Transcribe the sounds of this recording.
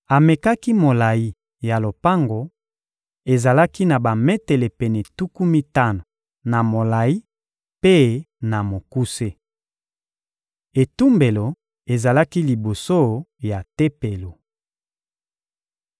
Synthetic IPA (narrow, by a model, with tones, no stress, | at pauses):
a˨me˨ka˦ki˦mo˨la˨ji˦ | ja˨lo˨pa˦ŋɡo˨ | e˨za˨la˦ki˦na˨ba˨mɛ˦te˨le˨pɛ˨nɛ˨tu˦ku˦mi˦ta˦no˨ | na˨mo˨la˨ji˦ | pe˦ | na˨mo˨ku˦se˦ | e˨tu˦mbe˨lo˨ | e˨za˨la˦ki˦li˨bo˨so˦ja˨te˦pe˨lo˨